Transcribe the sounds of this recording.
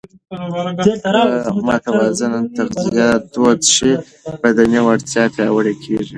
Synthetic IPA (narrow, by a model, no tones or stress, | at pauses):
mɑt̪awɑzant̪aɾzijad̪ot̪ʂi | bad̪aniwaɽt̪ʰjɑpjɑwəɽekʰeʐi